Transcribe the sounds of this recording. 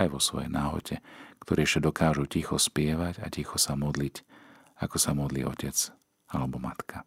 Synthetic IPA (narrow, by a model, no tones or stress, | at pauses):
ajʋɔsʋɔ̰jɛ̰jnʔaːɦɔ̰cʰɛkt̪ʰɔɾiːʃad̪ɔkʰaːʒucixɔspɪɛʋaca̰cixɔsamɔd̪lic | akɔsamɔd̪lḭːɔcɛt͡s | alɛbɔmat̪kʰa